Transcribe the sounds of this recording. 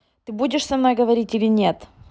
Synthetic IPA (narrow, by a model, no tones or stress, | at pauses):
t̪ɨbudʲɪʂsɐmno̞jɡəvɐɾʲitʲilʲɪnʲet̪